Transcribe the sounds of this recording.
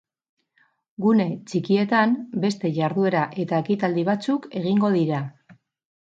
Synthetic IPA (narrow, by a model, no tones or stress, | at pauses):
ɡune̞t͡ʃikie̞t̪ambe̞st̪e̞ʝaɾðue̞ɾaʔe̞t̪ae̞kit̪ald̪iβ̞at͡suke̞ɣ̞iŋɡo̞ð̞iɾa